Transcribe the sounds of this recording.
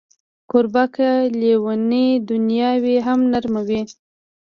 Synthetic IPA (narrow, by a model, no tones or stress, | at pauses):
koɾbakalewaned̪ʊnjɑweɦamnaɾmawi